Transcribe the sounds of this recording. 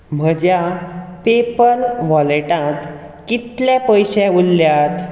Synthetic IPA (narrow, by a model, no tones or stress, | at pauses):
m̤əd͡ʑjapepəlʋɔleʈãt̪ | kit̪ljãpəjɕeulːjat̪